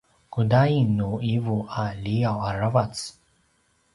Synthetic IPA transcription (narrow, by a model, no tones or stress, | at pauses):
kudainːuivualiawaɾavat͡s